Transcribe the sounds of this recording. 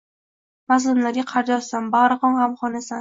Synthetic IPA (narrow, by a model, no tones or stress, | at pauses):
mas̬lɪmlaɾɡʲaqʰɑɾd͡ʒɒlsambaɾɨχɒmhamχɒnasan